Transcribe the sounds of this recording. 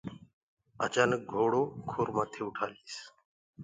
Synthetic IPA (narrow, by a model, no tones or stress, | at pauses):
ə̰t͡ʃaːnək̚ɡʱoːɽoːkʰoːɾmaːt̪ʰeːʊʈʰaːɾiːs